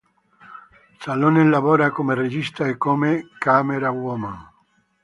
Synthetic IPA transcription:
salonelaβoɾakomereʒist̪aekomekameɾawwomã

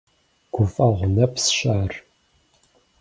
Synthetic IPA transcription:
ɡ̥ʷʊfʼɐʁʷʊnɐpsʃʼaːr

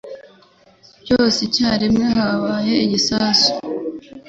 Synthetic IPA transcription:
coːsicaɾimŋeɦaβaheiɟisaːsu̥

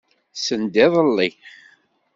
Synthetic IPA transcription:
sənd̪ɪðˤəlːiχ

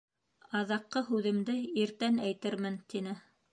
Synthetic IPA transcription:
ɑðɑqːɤɦʉðɘ̆md̪ɘiɾt̪ænæjt̪ɘɾmɘnt̪inɘ

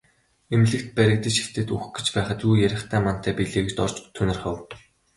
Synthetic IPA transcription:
emɮɘ̆kt̪̚pæɾʲɪ̆k̚t̪ə̆t͡ɕʃi̥xt̪ʰeːt̪uxɡĕ̥t͡ɕpæːχə̆t̪uːjæɾʲɪ̆χt̪ʰæːman̥t̪ʰæːpiɮeːɣɘ̆t͡ɕt̪ɔr̥t͡ɕt̪ʰːɵnɪ̆rχə̆w

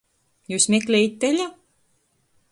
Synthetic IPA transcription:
juːsmʲeklʲejit̪̚ʲːelʲa

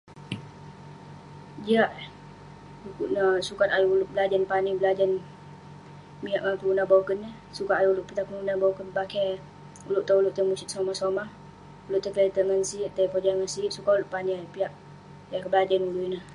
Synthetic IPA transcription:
d͡ʒiaʔ | ukuʔnasukat̪ajuulʊʔbəlad͡ʒanpanibəlad͡ʒan | miaʔŋakuunabawkənə | sukaʔajuulʊʔpit̪akunuunabawkənpakɛ | ulʊʔt̪aulʊʔt̪əmusit̪somasomah | ulʊʔt̪əklat̪əŋənsiʔt̪aipod͡ʒaŋənsiʔsukaulʊʔpaniajupiaʔ | akəbəlad͡ʒanuluinah

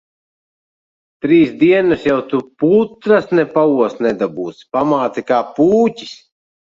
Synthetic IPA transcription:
t̪ɾiːsd̪iɛnɨsjawt̪uput̪ɾasnɛpauɔsnɛd̪abuːt̪spamaːt̪sikaːpuːcʲi̥s

